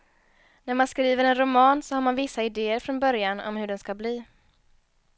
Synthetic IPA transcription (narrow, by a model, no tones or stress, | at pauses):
næɾmanskɾiːvəɾɛnɾʊmɑːnsɔhaɾmanvɪsːaɪd̪eːəɾfɾɔnbœɾjanɔ̰mhɵɖɛnskabliː